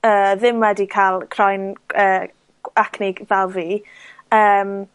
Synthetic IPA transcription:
əːðɪmwɛdikʰalˠkʰrɔjnəː | akʰnɪɡ̥vɛlˠviːəːm

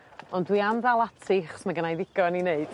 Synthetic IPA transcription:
ɔndwiamðalˠatʰɪχsmaɡənajðɪɡ̥ɔnineɨd̥

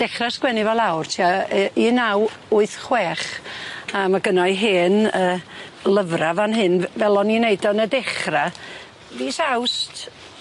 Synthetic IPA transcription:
d̥ɛχraskwɛnivɛlˠawrtʰiainawʊɨθχweːχ | amaɡənɔɨɦeːnəːləvravanɦɨnvɛlˠɔnineɨdɔnədɛχra | viːsawst

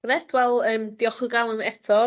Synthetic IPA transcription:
rɛtʰwɛlˠəːmd̥iɔχʊɡalˠənɛtʰɔ

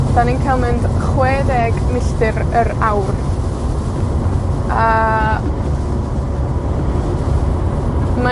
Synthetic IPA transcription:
d̥aninkʰalˠmɛnd̥χweːðɛɡmɪɬtɨɾəɾawr | a | ma

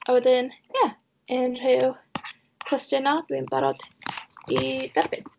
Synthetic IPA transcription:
ʔawɛdɪnja | ɪnr̥ɪw | kʰw̥ɛstɨnɔd̥winbaɾɔd̥id̥aɾbɪn

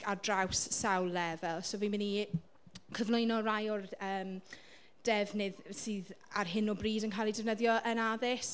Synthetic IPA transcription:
adrawsːawlˠːɛvɛlˠsoviːmɪni | kʰəvnlʊjnɔrajɔrəːm | d̥ɛvnɪðsɨːðarɦɪnɔbriːdənkʰajlˠidɛvnəðjɔʔənaðɪs

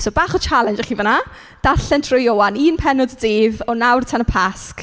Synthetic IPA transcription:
soːbaːχɔt͡ʃʰalˠɛnd͡ʒɛχivəna | d̥aɬɛntʰrʊjowaniːnpʰɛnʊdədeːvɔnawrtʰanəpʰask

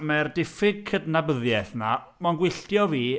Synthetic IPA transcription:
mɛrdɪfɪɡ̚kʰədnabəðjɛθna | manɡwɪɬtjɔviː

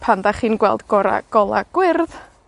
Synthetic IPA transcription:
pʰandaχiːnɡwɛlˠdɡ̥ɔɾa̰ɡ̥ɔlˠa̰ɡ̥wɪrð

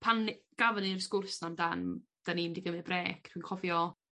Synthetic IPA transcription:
pʰanɡ̥avənirskʊrsnamdand̥animdiɡəmɨbreːkʰtʰwiːnkʰɔvjɔ

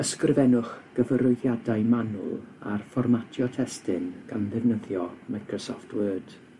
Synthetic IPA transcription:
əskrvɛnʊχɡ̥əvəɾʊɨðjadaɨmanʊ̰lˠa̰rfɔrmatʰjɔtʰɛstɪnɡ̥anðɪvnəðjɔmajkʰrɔsɔftʰwəːd̥

